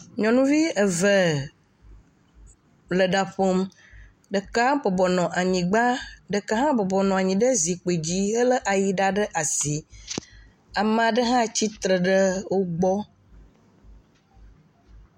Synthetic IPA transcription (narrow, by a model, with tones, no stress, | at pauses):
ɲɔ̃˨nũ˦vi˦ə˨və˨ | lə˨ɖa˨ɸo˦m | ɖə˨ka˦bɔ˨bɔ˨nɔ̃˨ʔa˨ɲĩ˨ɡ͡ba˦ɖə˨ka˦ɦã˦bɔ˨bɔ˨nɔ̃˨a˨ɲĩ˨ɖə˦zi˨k͡pe˨d͡ʑi˦ɦə˦lə˦ʔa˨ji˨ɖa˦ɖə˦ʔa˨si˨ | a˨mə˦˨a˨ɖə˦ɦã˦t͡ɕi˦t̪ɾə˨ɖə˦wo˦ɡ͡bɔ˦